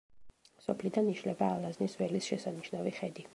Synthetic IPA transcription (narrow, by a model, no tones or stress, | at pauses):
sɔpʰlid̪aniʃlɛbaːlˠaznisvɛlisʃɛsaniʃnaviχɛd̪i